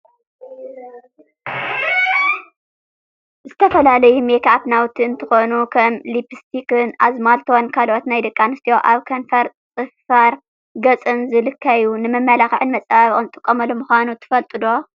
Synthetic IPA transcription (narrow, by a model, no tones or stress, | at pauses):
zɨt̪ʰɐfɐlalɐjumekʰat̪nawt̪ʰiɨnt̪ʰɨxonukʰɐmlipʰɨst̪ʰikɨnazmalt̪ʰonkʰalʔot̪najd̪ɐkʼːanɨst̪ʰijoʔaβkʰɐnfɐɾ | t͡sʼɨffaɾ | ɡɐt͡sʼɨnzɨlɨkʰːajunɨmɐmːɐlaxʕɨnmɐt͡sʼaaβʼont̪ʼɨkʼːomɐlomuxʷanut̪ʰɨ̥fɐlt̪ʼɨd̪o̞